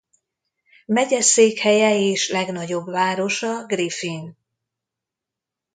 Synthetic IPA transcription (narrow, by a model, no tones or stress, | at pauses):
mɛɟɛseːkhɛjɛeːʃlɛɡn̪ɒɟo̞bvaːɾo̞ʃɒɡrifin